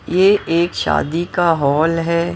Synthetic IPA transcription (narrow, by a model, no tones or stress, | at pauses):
jeʔeːkʃa̰ːd̪ikaɦɔːlɦɛː